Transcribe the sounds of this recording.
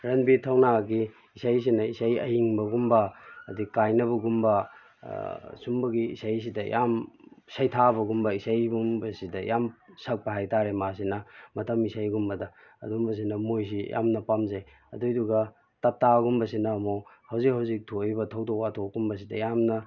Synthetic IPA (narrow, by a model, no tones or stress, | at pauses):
ɾɐnbitʰɐwnaɡiː | sajs̬inɐisajɐ̰jiŋbɐɡumbɐːdikajnɐβɐɡumbɐ | sumbɐɡḭːsajs̬idɐ̰jʔa̰msajtʰabɐɡumbɐisajbumbɐsidɐjamsɐk̚pɐɦajtaɾemas̬inɐmɐtɐmisajɡumbɐdɐ | ɐ̰dumbɐs̬inɐmojs̬ija̰mnɐpamzaj | ɐ̰dujduɡɐ | tɐp̚tːaɡumbɐsinɐːmohɐwzik̚hɐwzik̚tʰojbɐtʰɐwdokatʰokumbɐs̬idɐ̰jamnɐ